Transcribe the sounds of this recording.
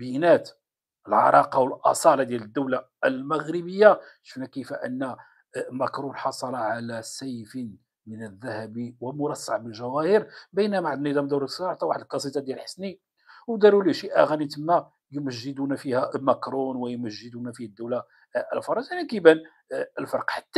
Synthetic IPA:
bənæt̪ | əlʕɑ̰ɾˤɑqɑwəlʔɑ̰sˤɑlɑd̪jæləd̪ːəwla | lməɣɾəbəjːaʃə̥fnækəfæʔə̰nːæ | mækɾunħɑsˤɑlɑʕalæsæjfə | mənəðːæhæbiwəmʊɾˤɑsːaʕbəlʒæwæhiɾbəjnæmaʕd̪nid̪æmd̪uɾsɑʕt̪ˤɑwaħəd̪lkɑsˤit̪ɑd̪jælħə̥sni | wd̪ɑɾuliʃiʔæ̰ɣænit̪əmːæ | juməʒːəd̪unfihæmækɾˤunwəjməʒːəd̪unæfihæd̪ːəwla | ʔə̰lfɑɾˤɑnsanikəbæn | əlfɑɾqħḁt̪ː

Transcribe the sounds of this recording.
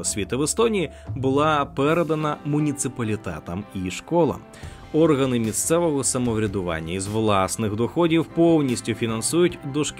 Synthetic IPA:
ɔsʲʋʲit̪ɪʋest̪ɔnʲiji | bʊlˠɑpɛɾed̪ɐnɐmʊnʲit̪sɨpɐlʲit̪ɛ̰t̪ɐmiʃkɔlˠɐ̰m | ɔrɣɐnɪmʲist̪sɛʋɔɦɔsɐmɔwɾʲɐd̪ʊʋɑ̰nʲːɐizʋlˠɑsnɪxd̪ɔxɔdʲiwpɔwnʲisʲtʲʊfʲinɐnsujʊtʲd̪ɔʃk

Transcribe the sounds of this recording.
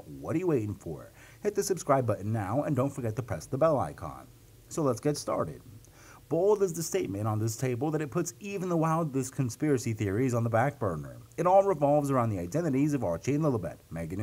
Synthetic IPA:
wʌɾə˞jɨweɪɾɪ̃ŋfə̰˞ | hɪt̪̚ðɨsɨb̥skɹaɪbʌʔn̩naʊə̰̃ndõʊ̃nfə˞ɡɛt̪ʰɨpʰɹ̥ɛsðəbɛlˠa̰ɪkʰɑ̰̃n | soʊlətsɡ̥ɛtstɑ̰ɹɾɪ̰d̥̚ | b̥oʊlˠdɨzðɨsteɪt̚mɨ̃ɾ̃n̩ðɪs̬tʰeɪbl̩ˠðɨɾɨt̚pʰʊtsiṽn̩ðəwaɪlˠdˡlɪskʰɨ̃n̩spɪɹɨsiθɪɹizn̩ðəbæk̚b̥ɜ˞nə̰˞ɨɾɔlˠɹɨvɑlˠvzə˞ãʊ̃nðiaɪdɛ̃ɾ̃ɨɾizʌvɑɹt͡ʃĩnlɪlˠəbɛ̰t̚mæɡn

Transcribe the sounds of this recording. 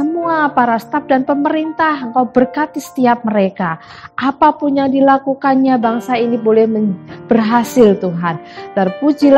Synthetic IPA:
səmuapaɾast̪ap̚danpəməɾint̪aɦəŋkawbərkat̪isə̥t̪iap̚məɾeka | ʔapapʊnjaŋdilakukanɲabaŋsainibolɛhməb̥ərɦasɪlt̪uɦandarpud͡ʒil

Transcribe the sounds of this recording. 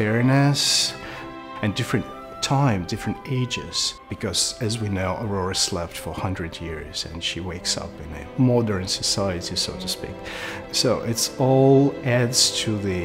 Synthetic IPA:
ɛɹinɨs | ɨ̃ndɪfɹɨ̃ntʰ | ãɪ̃mdɪfɹɨ̃nteɪd͡ʒɪ̰z̥b̥ɨkʰʌz̥ɨzwinoʊʔəɹɔɹɨslɛftfə˞hʌ̃ndɹɨdjɪɹz̥ɨ̰̃nʃiweɪksʌ̰pɨ̃nɨ̰mɔdə̃˞nsɨsaɪɨɾisoʊɾɨspḭk | soʊʔɪtsɔlˠædz̥tʰɨðɨ

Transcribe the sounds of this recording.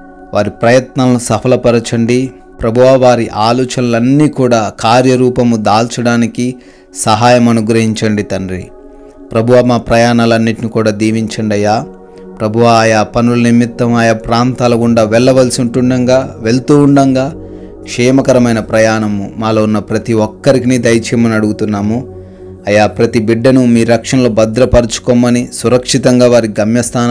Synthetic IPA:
ʋaːɾipɾɐjɐt̪nɐːlusɐpʰɐlɐpɐɾɐt͡ʃɐɳɖi | pɾɐbʱuʋaːʋaːɾiʔaːlɔːt͡ʃɐnɐlɐnːiːkuːɽaːkaːɾjɐɾuːpɐmud̪aːlt͡ʃɐɽaːniki | sɐɦaːjɐmɐnuɡɾɐɦiɲt͡ʃɐɳɖit̪ɐnɾḭ | pɾɐbʱuʋaːmaːpɾɐjaːɳaːlɐnːiʈnikuːɽaːd̪iːʋiɲt͡ʃɐɳɖɐjaː | pɾɐbʱuʋaːjaːpɐnulɐnimit̪ːɐmaːjaːpɾaːnt̪aːlɐkuɳɖaːʋɛɭːɐʋɐlsiuɳʈuɳɖɐŋɡaːʋe̞lt̪uːuɳɖɐŋɡaː | kʂɛːmɐkɐɾɐmɐjnɐpɾɐjaːɳɐmumaːloːunːɐpɾɐt̪iʋɔkːɐɾikinid̪ɐjɐt͡ʃemɐnɐɽuɡut̪unːaːmu | ɐjaːpɾɐt̪ibiɖːɐnumiːɾɐkʂɐnɐloːbɐd̪ɾɐpɐɾt͡ʃu̥kɔmːɐnisuɾɐkʂit̪ɐŋɡaːʋaːɾiiɡɐmjɐst̪ʰaːn

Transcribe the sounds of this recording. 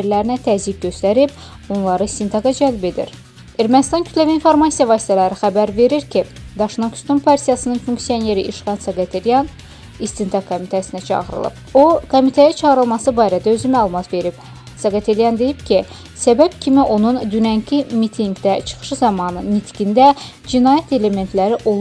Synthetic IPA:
eɾlæɾinæt̪ʰæzik̚ɟø̞st̪æɾib̚ | onlˠɑɾɯst̪int̪ʰɑɡɑd͡ʒælbid̪ḭɾ | e̞ɾmænist̪ɑncʰy̥t̪læviːnfo̞ɾmɑsijɑvɑːsi̥t̪ʰælæɾixæbæɾve̞ɾiɾcʰi | d̪ɑʃnoky̥st̪umpʰɑɾsijɑsɯnɯnfuŋksijo̞ne̞ɾiʔiʃʁɑnsɑɡɑt̪ʰeɾjɑn | ist̪int̪ʰɑkʰːomit̪ʰæsinæt͡ʃʰɑ̰ɣɯɾɯ̰lˠɯ̰po̞kʰo̞mit̪ʰæjæt͡ʃʰɑʁɯɾɯlˠmɑsɯbɑːɾæd̪æø̞zymæːlˠumɑt̪ve̞ɾip | sɑɡɑt̪ʰelijɑnd̪e̞jibcʰi | sæbæb̥cʰimiʔo̞nund̪ynæncʰimit̪ʰiŋɡd̪æt͡ʃʰɯ̥χɯ̥ʃɯzɑmɑnɯnit̪ʰɡʲind̪æ | d͡ʒinɑːjæt̪ʰe̞le̞me̞nt̪ʰlæɾiʔolˠ

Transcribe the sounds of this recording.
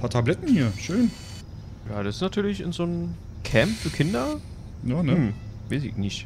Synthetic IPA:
pʰaːɐtʰablɛtn̩hiːɐʃøːn | jaːdassnatʰyːɐlɪçɪnzoːn | kʰɛmpfyːɐkʰɪndɐ | jaːnəmm | vezɪ̰nɪçt

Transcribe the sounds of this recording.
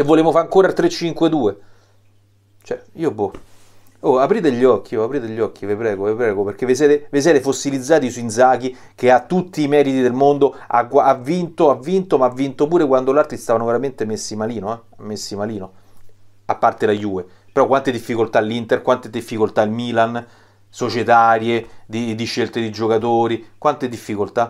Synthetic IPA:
evːoleːvofaaŋkoːɾat̪ːɾet͡ʃːiŋkwed̪uːe | t͡ʃoɛiːobo | oapɾiːt̪eʎːɔk̟ːioapɾiːt̪eʎːɔk̟ːivepɾɛːɡovepɾɛːɡoperk̟eves̬ɛːt̪eves̬ɛːt̪efosːilid̪zːaːt̪isuinzaːk̟i | keat̪ːut̪ːiːmɛːɾit̪id̪elmond̪oa̰ɡaavːint̪oavːint̪omaːvːint̪opuːɾekwand̪olart̪ɾist̪aːvanoveɾament̪emesːimaliːnoɛmːesːimaliːno | apːart̪elajuːe | peɾɔkːwant̪ed̪ifːikolt̪alːint̪erkwant̪ed̪ifːikolt̪ailmiːlan | sot͡ʃet̪aɾjed̪id̪iʃːelt̪ed̪id͡ʒokat̪oːɾikwant̪ed̪ifːikolt̪a

